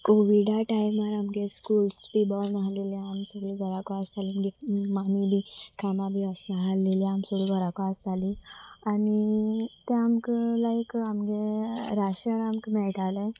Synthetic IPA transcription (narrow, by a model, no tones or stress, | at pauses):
koʋiɖaʈajmaɾamɡeskulspibɔlnaɦaleliamsəɡliɡʱɔɾakɔast̪ʰalimɡemanibʱikʰanabʱiəsnaɦaleliamsəɡliɡʱɔɾakɔast̪ʰalianit̪eamklajkamɡeɾaɕənamkmɛɭʈale